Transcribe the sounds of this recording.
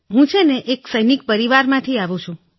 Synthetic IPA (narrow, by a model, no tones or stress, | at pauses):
ɦũt͡ʃʰeneʔeksəjnik̚pəɾiʋaɾmãt̪ʰiaʋũt͡ʃʰũ